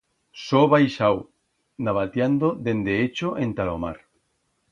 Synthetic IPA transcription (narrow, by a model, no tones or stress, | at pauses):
soβajʃaw | naβat̪jand̪oðend̪eet͡ʃoʔẽnt̪alo̰ma̰ɾ